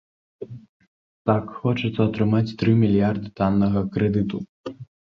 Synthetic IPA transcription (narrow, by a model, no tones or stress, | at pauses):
t̪akxɔt͡ʂɐt̪sːɐɐt̪ɾɨmat͡sʲt̪ɾɨmʲilʲjard̪ɨt̪anːɐɣɐkɾɛd̪ɨt̪u